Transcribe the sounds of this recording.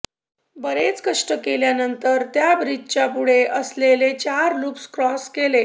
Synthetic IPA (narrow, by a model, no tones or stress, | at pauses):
bəɾet͡skəʂʈəkeljanənt̪əɾt̪jabɾid͡ʑʱt͡ɕjapuɽeʔəslelet͡ɕaɾluːpskɾɔskele